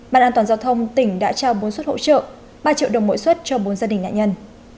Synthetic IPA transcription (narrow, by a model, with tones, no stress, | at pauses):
ɓaː˧˨nʔaː˧nt̪waː˨˩nzaː˧wt̪ʰə˧wŋ͡mt̪ï˧˩ŋ̟ɗa̰ː˧˥t͡ɕaː˧wɓo˨˦nswt̚ho̰˧˨t͡ɕə̰ː˧˨ | ɓaː˧t͡ɕḭ˧˨wɗə˨˩wŋ͡mmo̰˧˥jswə˦˥t̚t͡ɕɔ˧ɓo˨˦nzaː˧ɗi˨˩ŋ̟na̰ː˧˨ɲə˧n